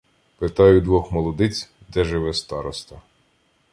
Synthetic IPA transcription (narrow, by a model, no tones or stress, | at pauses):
pɪt̪ɑjʊd̪ʋɔxmɔlˠɔd̪ɪt͡sʲ | d̪ɛʒɪʋɛst̪ɑɾɔst̪ɐ